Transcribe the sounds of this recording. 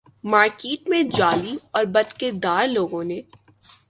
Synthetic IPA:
maːɾkeːʈmẽd͡ʒaːliɔːɾbɐd̪keɾd̪aːɾloːɡõneː

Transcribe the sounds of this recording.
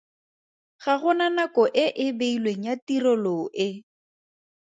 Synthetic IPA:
ɣaɣʊnanakɔʔɪʔɪbeilweŋ̩jatiɾɔloʔɪ

